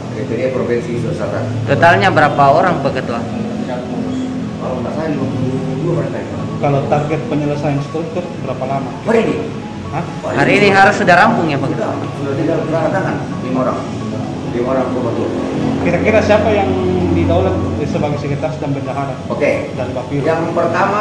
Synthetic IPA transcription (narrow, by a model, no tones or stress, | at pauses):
oked͡ʒadiapɾofɛnsisələsaka̰nt̪ot̪alɲabəɾapaoɾaŋpəkət̪ua | at̪̚muɾʊs | kalamənasaaniapuud͡ʒuapaɾat̪ait̪a | kalot̪arɡɛt̪̚pəɲələsajaŋsə̥k̪ult̪ːʊrbəɾapalamaaɾiini | a | aɾhaɾiːniɦaɾʊsudahrambʊŋjapəkət̪audat̪iɡalkəlaɾat̪aŋan | iŋoɾa̰ŋ | diŋoɾaŋt̪ubat̪ukiɾakiɾasiapajaŋdidaulat̪̚səbaɡajsəkit̪arsdanbəɲd͡ʒaɦaɾaokedanbapijaŋpərt̪ama